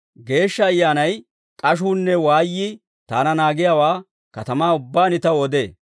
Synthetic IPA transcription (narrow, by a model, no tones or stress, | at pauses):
ɡe̞ːʃːɐːjːaːnɐj | kʼɐʃ̬uːnːɛwaːjːɪ | t̪a̰ːnɐnaːɡɪjaːwaː | kɐt̪ɐmaːʊbːaːnɪt̪ɐwɔd̪e̞̰ː